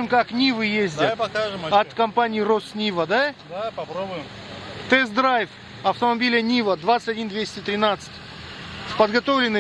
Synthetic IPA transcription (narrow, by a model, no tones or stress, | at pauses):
ɨmkaknʲivɨjezʲdʲɪɐkaʒɨmɐt̪kɐmpanʲɪːɪrosnʲivəd̪ad̪apɐpɾobʊjɪm | t̪ɛzd̪ɾajf | ɐft̪əmɐbʲilʲɪjənʲivəd̪vat̪sɨ̥tʲɐdʲind̪vʲesʲtʲɪt̪ɾʲɪnat̪sɨ̥tʲ | spəd̪ɡɐt̪o̞vlʲɪnːɨ